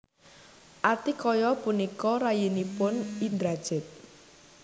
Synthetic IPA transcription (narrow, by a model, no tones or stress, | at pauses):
ʔat̪ikɔjɔpunikɔɾajinipʊnind̪ɾad̥ʒ̥ɪ̤t̪̚